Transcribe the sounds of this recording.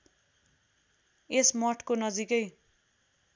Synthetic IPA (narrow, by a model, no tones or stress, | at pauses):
esmʌʈʰkonʌd͡zikʌj